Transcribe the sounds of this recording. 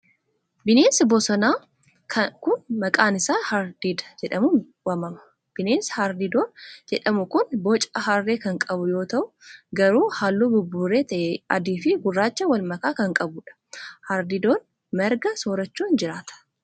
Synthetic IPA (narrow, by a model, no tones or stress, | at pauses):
bɪneːnsbɔsɔnaː | kʰɐkʊnmɐkʼaːnɪsaːhɐɾd̪id̪ɐ̥d͡ʒɛᶑɐmu | wɐmɐmɐ̥ | b̥ɪneːnshaɾd̪ɪd̪oːnd͡ʒɛᶑɐmʊkʊnbɔt͡ʃʼɐɦɐrːeːkɐŋkʼɐbʊjo̞ːt̪ɐʔʊ | ɡɐɾuːhaːlːuːbʊbːuːɾeːt̪ɐʔɛɐd̪iːfɪɡʊrːaːt͡ʃːɐwɐlmɐkaːkɐŋkʼɐbʊᶑɐ̥hɐɾd̪ɪd̪oːn | mɛɾɡɐsoːɾɐt͡ʃːuːnd͡ʒɪɾaːt̪ɐ̥